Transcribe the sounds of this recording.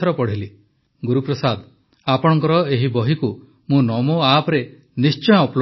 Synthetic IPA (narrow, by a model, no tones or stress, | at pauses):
ɔɾɔpɔɽ̤ili | ɡuɾupɾɔsad̪ | apɔɽ̃ɔŋkɔɾɔeɦibɔɦiku | mũnɔmoapɾe | nist͡ʃɔjɔpl